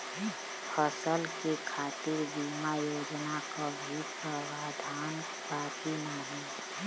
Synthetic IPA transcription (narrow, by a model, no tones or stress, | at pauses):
pʰəsəlkekʰaːt̪iɾbiːmajoːd͡ʒnakabʱipəʋaːd̪ʱaːn | baːkinaɦi